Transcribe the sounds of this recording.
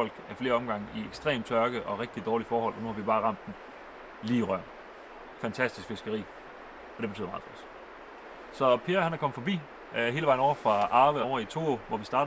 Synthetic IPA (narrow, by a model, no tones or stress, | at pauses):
ɒ̽l̰ɡ̥æɐfle̝ːɐɒ̽mɡ̥ɑ̈ŋ̰ieɡ̥sd̥ʁḛːmt͡sʰɶɐɡ̥əʔɒ̽ʁeɡ̥̚d̥id̥ɒːlifɒːhɒ̽l̰ʔɒ̽nuhɑ̈ʋib̥ɑ̈ːʁɑ̈m̰d̥ːen̩ | liːʁɶɐ̰ | fænt͡sʰæsd̥i̥sɡ̥fe̝sɡ̥əʁḭː | ɒ̽d̥eb̥et͡sʰyð̰ˠmɑ̈ð̩̥ˠɒs | sɒ̽pʰe̝ːɐhænhɑ̈kɒ̽məfɒ̽b̥ḭː | ɦe̝ːləɑ̈ɪ̰nɒ̰ʊ̰ɐfʁɑ̈ʔɑ̈ːʋəɒʊɐit͡sʰo̝ːoʋɒʋisd̥ɑ̈ːd̥